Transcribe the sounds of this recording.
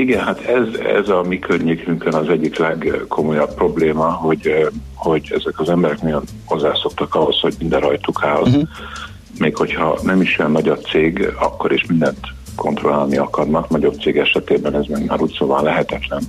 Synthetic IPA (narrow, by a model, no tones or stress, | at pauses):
iɡɛnhat̪ʰɛzɛ̰zɒmikʰørɲːeːkyŋkønɒzɛɟːiklɛɡkʰo̞mo̞jɒpːro̞bleːmɒɦo̞ɟho̞ɟɛ̰zɛkɒzɛmbɛɾɛknɒɟo̞n | ho̞zːaːso̞kt̪ɒkɒɦo̞sho̞ɟmind̪ɛrɒjt̪ukʰaːl | meːkho̞chɒ̰nɛmiʃɛnːɒɟob̚t̪seːɡɒ̰kːo̞ɾeʃmind̪ɛnt̪ | kʰo̞nt̪ro̞laːlniɒkɒrnɒknɒɟo̞b̚t̪seːɡɛʃɛt̪eːbɛnɛzmɛɡma̰ːɾuːt̪soːvɒnlɛɦɛt̪ɛt̪lɛn